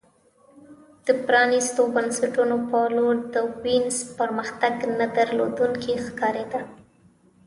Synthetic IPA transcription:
d̪̥əpɾɑnist̪obansaʈunopəloɾd̪əwinzpəɾməxt̪aɡnad̪əɾlo̰d̪uŋkexkɑɾed̪a

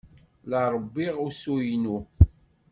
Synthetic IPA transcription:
ləɾˤbːiʁʊsujnu

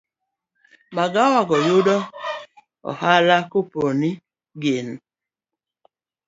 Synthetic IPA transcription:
maɡawaɡɔjʊdɔ | ɔ̰halakoponi | ɡen

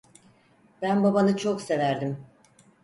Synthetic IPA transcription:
b̥ænbabanɯt͡ʃʰokse̞væɾd̪im

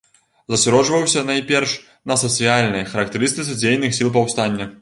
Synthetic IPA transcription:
zɐsʲaɾɔʐvɐwsʲɐnɐjpʲɛrʂ | nɐsɐt̪sɨjalʲnɐjɐxɐɾɐk̚t̪ɨɾɨst̪ɨt̪sɐd͡zʲejnɨxsʲilˠp̬ɐwst̪anʲːɐ

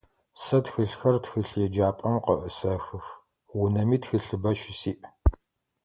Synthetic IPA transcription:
sɐtxɨɬxɐrtxɨɬjɛd͡ʒaːpʼɐmqəʔəsɐxɨf | wʊnɐmiːtxɨɬɨbɐʃɪsiːʔ

